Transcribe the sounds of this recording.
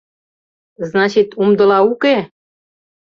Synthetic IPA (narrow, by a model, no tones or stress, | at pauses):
znɑt͡ɕit̪umd̪ɤ̆lɑuke